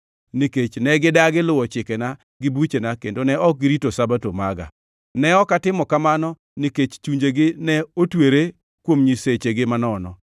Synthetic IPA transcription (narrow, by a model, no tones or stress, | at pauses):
niket͡ʃnɛɡɪdaɡɪlʊwɔt͡ʃɪkɛna | ɡɪbut͡ʃenakḛndonɛɔk̚ɡɪɾitosabatomaɡa̰ | nɛɔkatɪmɔkamanɔ | niket͡ʃt͡ʃuɲd͡ʒeɡɪnɛotweɾe | kwomɲiset͡ʃeɡɪmanɔnɔ̰